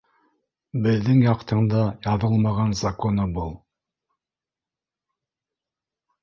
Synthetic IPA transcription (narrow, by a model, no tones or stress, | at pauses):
bɘ̆ðːɘŋjɑqt̪ʰɤ̆ɴd̪ɑjɑðɤlˠmɑʁɑnzakonɤbɤlˠ